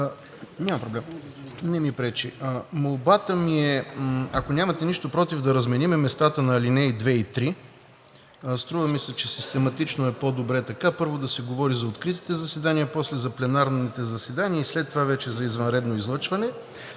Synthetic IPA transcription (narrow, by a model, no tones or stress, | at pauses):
ɲʲamɐpɾoblɛmnɛmipɾɛt͡ʃiəmolˠbat̪əmiɛɐkonʲamɐt̪ɛniʃt̪opɾɔt̪ivd̪ɐɾɐzmɛnimɛmɛst̪at̪ənɐlinɛjd̪vɛit̪ɾi | st̪ɾuvəmisɛt͡ʃɛsist̪ɛmɐt̪it͡ʃnoɛpod̪obɾɛt̪ɐkapɤɾvod̪ɐsɛɡovɔɾizɐot̪kɾit̪i̥t̪ɛzɐsɛd̪aniəpɔslɛzɐplɛnaɾnit̪ɛzɐsɛd̪aniəislɛt̪ːovavɛt͡ʃɛzɐizvɐnɾɛd̪noizlˠɤt͡ʃvɐnɛ